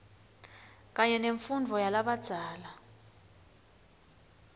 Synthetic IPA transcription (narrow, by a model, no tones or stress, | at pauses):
k̬aɲɛneɱfundʱɔjalaɓad̥z̥ʱaːla